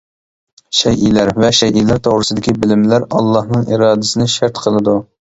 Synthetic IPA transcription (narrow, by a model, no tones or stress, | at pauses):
ʃɛjʔilæɾvɛʃɛjʔilæɾt̪ʰoʁɾɨsɨd̪ɪkʲibɪlɪmlæɾɑ̰lˠːɑhnɨŋʔḭɾɑːd̪ɪsɪnɪʃæɾt̪qʰəlˠɨd̪u